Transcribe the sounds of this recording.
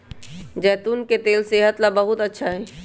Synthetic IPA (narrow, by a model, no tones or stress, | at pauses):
d͡ʒɛːt̪uːnket̪eːlseɦət̪labəɦut̪ətːʃʰaɦɛ